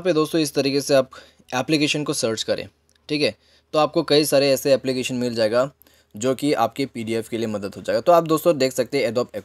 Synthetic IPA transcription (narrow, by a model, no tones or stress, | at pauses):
ped̪oːst̪õɪst̪ɐɾiːkeseaːp | ɛːplikeːʃənkosəɾt͡ʃkɐɾḛ̃ː | ʈʰiːkɦɛː | t̪oaːp̚kokɐisaːɾeɛːseɛːplikeːʃənmɪld͡ʒaːeːɡa | d͡ʒoːkia̰ːp̚kepiːɖiɛːfkeliemɐd̪əd̪ɦod͡ʒaːeɡat̪oaːp̚d̪oːst̪õd̪eːkʰsɐk̚t̪ẽɦɛ̃ɛɖɔːpɛk